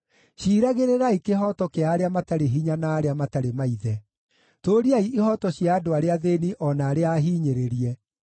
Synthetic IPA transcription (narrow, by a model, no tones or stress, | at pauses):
ɕiːɾaɣeɾeɾaikeɦɔtɔkeaːɾeamataɾeɦiɲanaːɾeamataɾemaiðɛ | toɾiaiʔihɔtɔɕjaːdoaɾeaðeniʔɔnaːɾeaːɦiːɲeɾeɾiɛ